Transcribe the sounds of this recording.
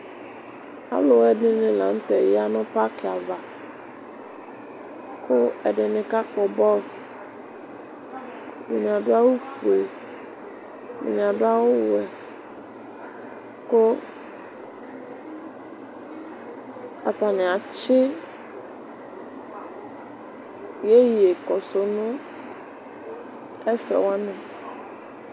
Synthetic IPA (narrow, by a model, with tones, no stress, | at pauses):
a̰˦lʊ˨wɛ˦dɪ˦nɪ̃˨la̰˨n̩˦tɛ˨jɪ˦a˦nʊ̃˦pa˦kɪ˨a˨va˨ | kʰʊ˦ɛ˨dɪ˨nɪ̃˨ka˦kɔ˨bɔ˦ | dʊ˨mĩ˨a˨dʊ˦a˦wʊ˦fu˨e˨ | dʊ̰˨mĩ˨a˨dʊ˦a˦wʊ˦wɛ˨ | ko˦ | a̰˨t̪a˨nɪ̃˨a˨t͡ʃɪ˦ | je˦je˨kɔ˨so˨nʊ̃˦ | ɛ˦fɛ̰˨wa˦nʊ̃˨